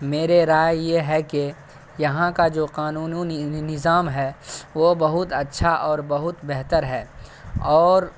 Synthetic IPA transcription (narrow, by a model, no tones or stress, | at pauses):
meːɾeɾaːjjeɦɛke | jɐɦãkad͡ʒoːqaːnuːnuninɪzaːmɦɛːʋobɐɦʊt̪ɐtːʃʰaʔɔːɾbɐɦʊt̪bɛɦt̪əɾɦɛːɔːɾ